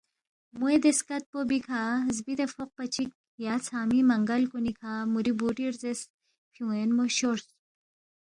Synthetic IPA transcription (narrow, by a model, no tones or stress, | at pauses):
mued̪eskɐt̪̚pobikʰazbit̪efoq̚pɐt͡ʃʰik̚ | jaːt͡sʰaːmimɐŋɡɐlkunikʰamuɾibuʈiɾzes | pʰũenmoɕoɾs